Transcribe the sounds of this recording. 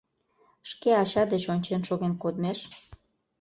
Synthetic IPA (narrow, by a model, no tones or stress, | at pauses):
ʃkeɑɕɑd̪et͡ɕonʲt͡ɕenʃoɣenkod̪meʃ